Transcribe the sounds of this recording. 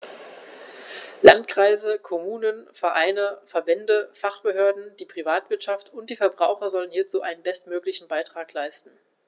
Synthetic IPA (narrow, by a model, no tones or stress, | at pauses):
la̰ntkʁ̥aɪzəkʰomuːnənfɛɐʔaɪnəfɛɐbɛndəfaχb̥əɦøːɐdn̩d̥iːpʁ̥ivaːtv̥ɪɐtʃaftʊntd̥iːfɛɐbʁaʊxɐzɔlənhiːɐt͡suːʔaɪnənbɛstmøːklɪçn̩baɪtʁ̥aːklaɪstn̩